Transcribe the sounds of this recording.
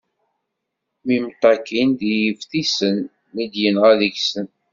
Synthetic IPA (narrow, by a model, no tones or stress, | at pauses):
mimt̪ˤːɑkind̪ijəfθisənː | id̪jənʁæðəçsən